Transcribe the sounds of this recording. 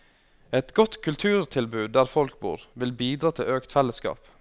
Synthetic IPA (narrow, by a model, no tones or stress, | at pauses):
ɛt̪ɡɔt̪kʰʉlt̪ʰʉːɾt̪ʰɪlbʉːd̪̚d̪æːɾfɔlk̚bṵːɾʋɪlbiːd̪ɾɑːt̪ʰɪøːkt̪fɛləskɑ̰ːp